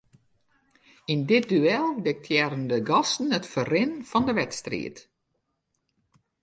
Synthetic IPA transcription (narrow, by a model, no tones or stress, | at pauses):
indɪt̚dyɛlˠdɪk̚tʰjɛrəndəɡɑsn̩ətfərɪnfɔndəʋɛtstrḭət